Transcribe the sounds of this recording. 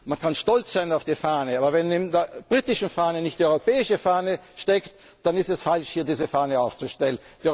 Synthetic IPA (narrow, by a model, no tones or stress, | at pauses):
mankʰanʃtɔlt͡sz̥aɪnaʊfd̥iːfaːnəaːbɐvɛnɪndeɐb̥ʁiːtɪʃn̩faːnənɪçt̚iːɔʏʁopɛːɪʃəfaːnəʃtɛkt | d̥anɪstɛsfalʃhiːɐdiːzəfaːnəaʊft͡suʃtɛlənd̥i